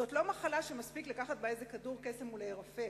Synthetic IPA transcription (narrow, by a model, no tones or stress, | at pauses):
otlo̞maχalaʃemaspiklakaχat̪̚baezekaduʁkesemuleeʁafe